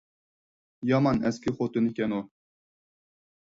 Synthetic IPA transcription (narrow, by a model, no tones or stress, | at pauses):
jɑmɑnɛskʲixot̪unikʲɛno